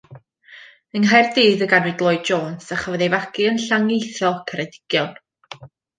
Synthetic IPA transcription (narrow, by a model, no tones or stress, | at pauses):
əŋɦajrdiːðəɡanwɨdlˠɔɨd̚d͡ʒoːnsaχəvɔðejvakiənɬaŋejθɔkʰəɾɛdɪ̥ɡ̥jɔn